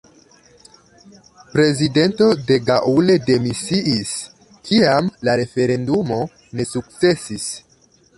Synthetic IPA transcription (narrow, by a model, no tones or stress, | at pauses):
pɾe̞zide̞nto̞de̞ɡaʔule̞de̞misiʔis | kʰiamlaɾe̞fe̞ɾe̞ndumo̞ | ne̞suk̚t͡se̞sis